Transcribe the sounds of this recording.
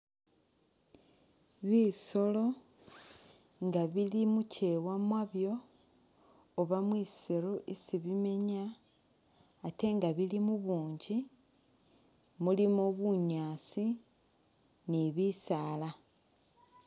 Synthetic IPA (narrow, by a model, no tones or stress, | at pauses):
βiso̞lo̞ | ŋɡaβilimuce̞wamwaβjo̞ | βamwiːseɾo̞ʔisiβime̞ɲa | te̞ŋɡaβilimuβuːɲɟi | mulimoβuɲaːt͡si | niβisala